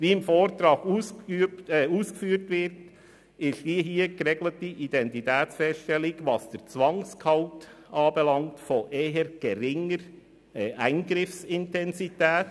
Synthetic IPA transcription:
viːɪmfoːɾtɾɑːɡuːsyuːskfyːɾtʋɪɾt | ɪʃd̥iɦiːəɡɾɛɡlətiʔid̥ɛntitɛːt͡sfɛsʃtɛlɪɡvɑsd̥əɾt͡sʋɑŋskʰɑʊtʔɑːbɛlɑŋtfɔʔeːɦəɾɡ̥ɛɾɪŋəɾ | ʔæɪnɡɾɪfsɪntɛnsitɛːt

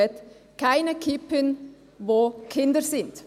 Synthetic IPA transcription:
ɛt | kʰaɪnəkʰipən | voːkʰɪndəɾsɪnt

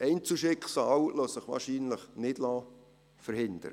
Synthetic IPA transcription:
ɛɪnt͡suʃɪkχsɑːwlosəχʋɑ̰ːrʃiːnləχnɪd̥lɑː | fəɾhɪnd̥̪ə̰ɾə

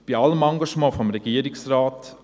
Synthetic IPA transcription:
b̥iɑləmɑŋɡɑʃmɑ̃ːfɔmɾɛɡ̥iəɾɪksraːt

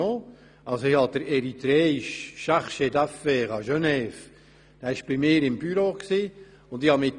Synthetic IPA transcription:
oː | ɑlsoihɑd̪̥əɾɛɾit̪ɾɛːɪʃʃaχʃed̪æfːeːχɑʒœnɛːf | d̥æːɪʃb̥ɪmɪːɾɪmbyɾoːksiː | ʊndɪhɑmɪt

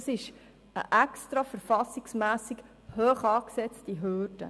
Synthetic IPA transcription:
sɪʃ | ə̰ʔɛkstɾɑfəɾfɑsiksmæːsik | hœːχɑːksɛt͡stiɦøːdə̰

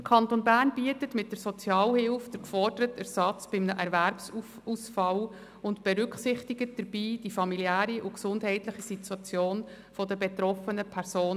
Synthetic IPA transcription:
əkʰɑntonbæːnbiətətmɪt̚d̥əɾsɔt͡sjɑːlhɪlfd̥əɾkfɔɾd̥əɾətæɾsɑt͡sb̥ɪmnəʔæɾvæɾpsu | usfɑl | ʊntb̥ɛɾʏkχsɪχtiɡət̚d̥əɾb̥iːd̥ifɑmiliæːɾiʔʊksʊndɦɛɪtlɪχisitwɑt͡sjoːn | fɔdəbet̪ɾɔfənəpʰæɾsoː

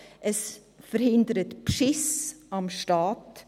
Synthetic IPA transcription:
əs | fəɾhɪndəɾətpʃɪsɑmʃtɑːt

